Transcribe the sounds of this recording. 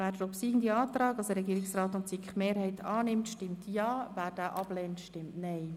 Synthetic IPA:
væːɾdəɾɔpsiːɡn̩d̪iɑːt̪rɑːɡɑsdəɾɛɡiːɾɪksrɑːt̪ʊnt͡sikχmeːɾhɛɪt̪ʰɑːnɪmtʃtɪmt̪ʰjɑːvæːɾd̥æːʔɑb̥lɛːntʃtɪmtnɛɪ

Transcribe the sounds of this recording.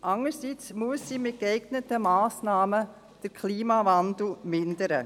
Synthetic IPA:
ʔɑŋəɾsit͡smuəsːiːmɪt̚kɛɪɡnətəmaːsnɑːmə | d̥əɾkʰliːmɑvandl̩mɪndəɾə

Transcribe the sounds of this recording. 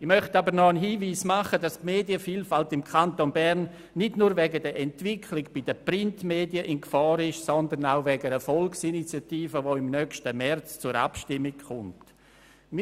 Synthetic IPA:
ɪmœχtabəɾnɔənɦiːviːsmaχədastmeːdjəfiːlfaltɪmkʰantonbɛrnː | ɪdnuːɾvɛɡədəɛntv̥ɪkʰlɪkb̥id̥əprɪntmeːdiəʔɪnkfɑːɾɪʃsɔndənaʊvɛɡəɾɛfɔlksinit͡sjatiːfəvoɪmnœkʃtəmɛrt͡st͡sʊɾa̰pʃtɪmːɪkχʊnt | m

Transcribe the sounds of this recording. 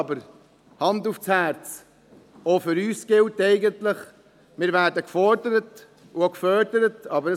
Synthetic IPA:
bəɾ | hɑnduft͡shæɾt͡s | ofʏɾyːsɡ̥ɪltɛɪɡəntlɪχ | mɪːɾvæːɾdəkfɔɾdəɾət | ʊokfœːɾdəɾətɑːbəɾə

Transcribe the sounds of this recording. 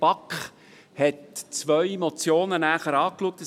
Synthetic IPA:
b̥ɑkχ | hɛtt͡sʋœʏemɔt͡sjoːnənæːχəɾɑːkluək̚tə

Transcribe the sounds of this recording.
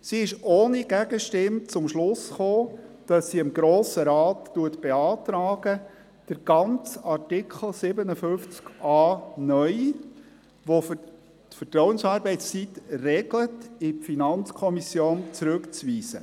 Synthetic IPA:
siɪʃʔoːniɡ̥æɡəʃtɪmt͡sʊmʃlʊsχoːd̥ɑsːiɪmɡɾoːsəɾɑːtːuətb̥eɑːtɾɑːɡ̥ə | d̥əɾɡ̥ɑnt͡sɑɾtɪkʰχl̩ˠsɪbənəfʏft͡skʔɑːnœʏ | ʋo | tfətɾɔwənsɑːɾbɛɪst͡sitrɛɡlətɪpfinɑnt͡skʰɔmisjoːnt͡sɾʉkt͡sʋiːzə̰

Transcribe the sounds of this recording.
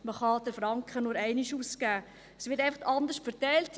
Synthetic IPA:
məχɑd̥əɾfɾɑŋkχənʊɾɛɪniʃuːskæː | əsʋɪtæɪfɑχtɑnd̪əʃtfəɾtæɪlt

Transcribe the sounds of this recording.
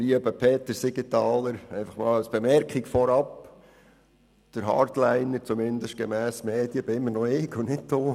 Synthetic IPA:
liːəbəpʰeːt̪ːəɾsɪɡit̪ɑːləɾɛɪfɑ̥χmɑːləsb̥emɛrkχikfɔɾɑp | d̥əɾɦɑ̰ːɾd̪læɪnəɾt͡sumɪnd̪əʃt̚ɡ̥emæːsmeːd̥iəb̥ɪɪmːəɾnɔɪkʊnɪtdoː

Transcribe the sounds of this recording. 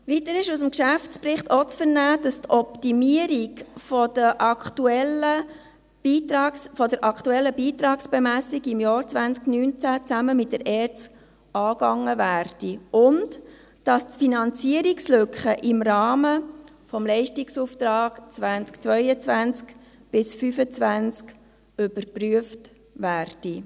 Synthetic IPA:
ʋitəɾɪʃusəmkʃæft͡spɾɪχtɔt͡sfəɾnæːd̥ɑstɔptimiəɾiɡfɔd̥əʔɑktuɛlə | b̥iːtɑːksfɔdəɾʔɑktuɛlːəbiːt̪ɾɑːksb̥ɛmæsiɡɪmjɑːɾt͡svænt͡sknyːnt͡sæt͡sæməmɪt̚dəɾʔɛːrt͡st | ɑːɡɑŋːəvæːɾd̥iʔʊnd | d̥ɑstfinɑnt͡siəɾikslʏkχəʔɪmɾɑːmə | fɔmlɛɪʃtiksuːft̪ɾɑːɡ̥t͡sʋænt͡skt͡sʋœʏət͡svænt͡skb̥ɪsfyfət͡svænt͡sk | ʏb̥əɾpryəft | væːɾd̥i

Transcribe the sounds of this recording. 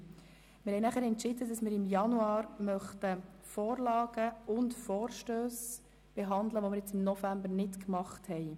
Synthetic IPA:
mɪɾhɛɪnæχəɾɛntt͡ʃɪdədɑsmɪːɾɪmjɑnuɑːɾmœχtə | fɔːɾlɑːɡ̥əʊntfɔːɾʃtøːs | b̥ɛɦɑnd̪ləʋomɪɾjɛt͡sɪmnɔfæmbəɾnɪtkmɑχthɛɪ

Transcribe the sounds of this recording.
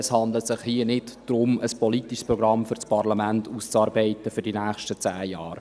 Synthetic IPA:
əshɑnd̪lət̪sɪχhiənɪtd̥ɾʊməspʰɔlitiʃspɾɔɡɾɑmfʏɾt͡spʰɑrlamæntust͡sɑːɾbɛɪtəfʏɾdinæːχʃtət͡sæːjɑːr

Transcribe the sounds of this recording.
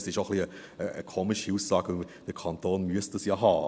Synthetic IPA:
sɪʃoχliəəə̰kʰoːmɪʃhuːsːɑːɡəd̥əkʰɑntoːnmyəst̚əsjɑɦɑː

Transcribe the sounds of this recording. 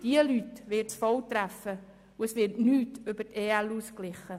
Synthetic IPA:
d̥iəlytʋɪtsfɔwt̪ɾæfə | uəsʋɪɾtnyːtʏbəteːɛluːsklɪχə

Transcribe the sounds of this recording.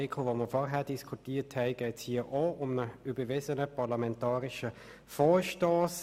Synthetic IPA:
ɪkʰovoməfɔʁɦɛːɐd̥iskʰutiːthɛɪɡ̥ɛːtshiːəʔoːʔʊmnəybəvɪzənəpʰɑʁlamɛntɑːʁɪʃə | fɔːʃtoːs

